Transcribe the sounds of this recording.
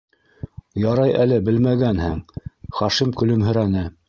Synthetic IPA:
jɑɾɑjælɘbɘlmæɡænhɘŋχɑʃimkɵ̆lɵmɦɵ̆ɾænɘ

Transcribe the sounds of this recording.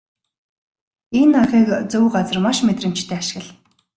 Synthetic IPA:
enːaʁiːkt͡sɵwɢat͡sə̆rmaʃmet̪rə̆m̥t͡ɕt̪ʰeːaʃɪ̥̆ɣə̆ɮ

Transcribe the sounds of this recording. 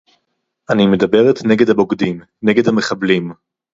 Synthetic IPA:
ʔanime̞dabe̞ʁetneɡedhabo̞ɡdim | neɡe̞dhame̞χablim

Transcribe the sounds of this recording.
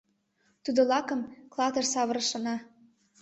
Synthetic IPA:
t̪ud̪ŏlɑkɤ̆mklˠɑt̪ɤrsɑβɤ̆ɾɤ̆ʃɤ̆nɑ

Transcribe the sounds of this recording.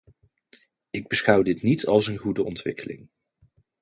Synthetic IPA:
ɪɡ̚bəsχʌwdɪtnitʰɑlˠsənχudəɔntʋɪkəlɪ̰ŋ

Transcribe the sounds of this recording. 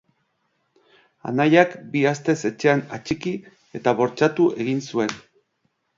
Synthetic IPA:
a̰najakbiast̪e̞se̞t͡ʃe̞anat͡ʃiki | e̞t̪aβo̞ɾt͡ʃat̪ue̞ɣinsue̞n

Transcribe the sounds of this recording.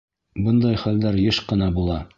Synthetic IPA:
bɤ̆nd̪ɑjχæld̪æɾjɤʃqɤ̆nɑbulˠɑ

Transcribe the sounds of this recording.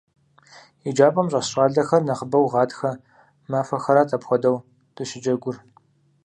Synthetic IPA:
id͡ʒaːpʼɐmɕʼɐsɕʼaːɮɐxɐrnɐχəbɐwʁɑːtxɐ | maːfɐxɐɾaːtʼɐpxʷɔdɐw | d̥ɨɕɪd͡ʒɐɡʷʊr

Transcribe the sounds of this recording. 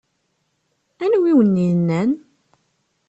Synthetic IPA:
ænwiwənːinːæn

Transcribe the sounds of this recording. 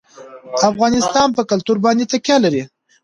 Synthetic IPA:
afɣɑnɪst̪ɑnpəkalt̪uɾbɑnd̪et̪akjɑlaɾi

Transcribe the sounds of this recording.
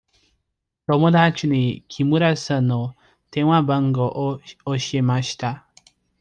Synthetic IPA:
t̪o̞mod̪at͡ɕiɲikʲʰimɯ̟ɾasãno | t̪ẽɰ̃wabãŋɡo̞ʔooɕie̞maɕi̥t̪a

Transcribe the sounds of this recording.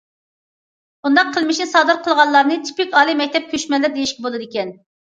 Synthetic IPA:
bund̪ɑqqʰːəlˠmɪʃnɪsɑːd̪ɨɾqʰəlˠʁɑlˠːɑɾnɨt͡ʃ̪ʰi̥pɪkʲɑːlˠɨmɛkʲt̪ʰɛp̚kʲʰøʃmɛlːɪɾd̪ejiʃkʲibolˠɨd̪ɪkʲɛn

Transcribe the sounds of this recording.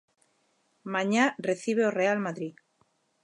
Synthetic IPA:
mãɲareθiβ̞eorealmaðɾi

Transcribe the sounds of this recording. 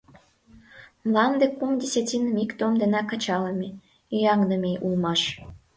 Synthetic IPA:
mlɑnd̪ekumd̪ʲesʲetʲinəmikt̪omd̪enɑkɑt͡ɕɑlə̆mʲe | yjɑŋnəmeʔulmɑʃ

